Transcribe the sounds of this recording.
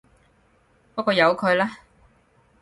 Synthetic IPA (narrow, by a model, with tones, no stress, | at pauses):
pɔː˦˥kːɔː˧jɐ˨˧wkʰɵ˨˧ɥlaː˥